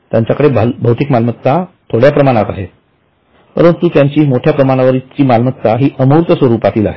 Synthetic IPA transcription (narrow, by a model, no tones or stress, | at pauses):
t̪jãɲt͡ɕjakəɽebbʱəwt̪ikmalməkt̪at̪ʰoɽjapɾəmaɽ̃at̪a̰ɦet̪ | pəɾənt̪ut̪jaɲt͡ɕiːmoʈʰjapɾəmaɽ̃aʋəɾit͡ɕiːmalmək̚t̪aɦiːʔəmuɾt̪əsʋəɾuːpat̪iːla̰ɦe